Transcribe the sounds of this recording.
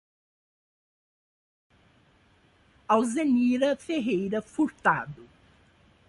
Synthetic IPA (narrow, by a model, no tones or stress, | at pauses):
awzeniɾɐfeɦejɾɐfuɾt̪a̰d̪ʊ